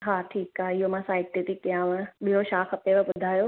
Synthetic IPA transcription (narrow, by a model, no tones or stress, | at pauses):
ɦaːʈʰiːkaɦɪɦomãːsaːɪk̚ʈ̪iʈikːjãːʋə̃ɓiɦoʃaːkɐpeʋeɓʊd̪ʱaːjoː